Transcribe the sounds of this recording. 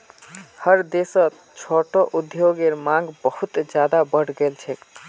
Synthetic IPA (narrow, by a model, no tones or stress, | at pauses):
həɾd̪esə̃ | t͡ʃʰoʈoʔud̪joɡeɾmãŋɡbəhut̪d͡ʒjad̪abəɽ̤ɡelt͡ʃʰɛ